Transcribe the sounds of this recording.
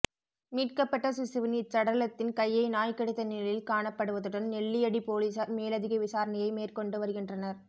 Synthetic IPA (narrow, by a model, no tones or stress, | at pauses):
miːʈ̚kɐpːɐʈːɐsʊsɪʋɐniːt͡ʃːɐɽɐlɐt̪ːɪnkɐjːɐɪnaːjkɐɽɯt̪ːɐnɪlɐjɪlkaːɳɐpːɐɽɯʋɐðɯɽɐnnɛɭːɪjɐɽipoːliːsɐɾmeːlɐðɪɣɐɪʋɪsaːɾɐnɐjɐɪmeːrkɔɳɖɯʋɐɾɯɣɪndrɐnɐɾ